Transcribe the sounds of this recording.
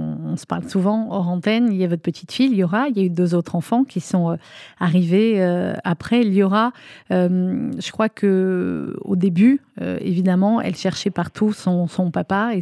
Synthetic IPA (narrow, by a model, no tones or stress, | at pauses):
ɔ̃sə̥paʁlsuvɑ̃ɔʁɑ̃t̪ɛniljavɔt̪χpət̪ʰi̥t̪fiiljɔʁailjayd̪øzot̪χɑ̃fɑ̃kʲisɔ̃øaʁiveøapχɛiljɔʁaømʒ̥əkχwakʰə | o̰d̪ebyø̰ḛvid̪amɑ̃ɛ̰lʃɛʁʃɛpaʁt̪ʰusɔ̃sɔ̃papae